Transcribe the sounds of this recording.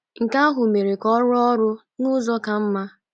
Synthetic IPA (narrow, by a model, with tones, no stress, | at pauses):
ŋ̩˨ka˦a˦ɦʊ˨me˨ɾe˨kɔ˦ɾɔ˦ɾʊ˦ | nʊ˦zɔ˦ka˨m̩˦ma˦